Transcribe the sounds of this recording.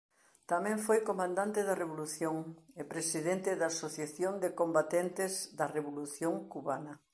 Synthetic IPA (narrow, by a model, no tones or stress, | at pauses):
t̪amɛ̃ɱfojkomãnd̪ãnt̪ɪðɐreβ̞oluθjoŋepɾesiðent̪ɪðaːsoθjaθjond̪ekombat̪ent̪ɪzðɐreβoluθjoŋkuβanɐ